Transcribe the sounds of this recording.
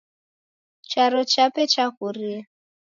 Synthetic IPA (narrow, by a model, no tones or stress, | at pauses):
t͡ʃʰaɾɔt͡ʃapɛt͡ʃʰakuɾia